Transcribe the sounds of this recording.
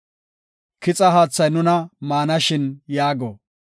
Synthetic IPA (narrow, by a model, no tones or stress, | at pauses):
kɪt͡sʼɐɦaːt͡sːɐjnʊnɐmaːnɐʃɪnjaːɡɔ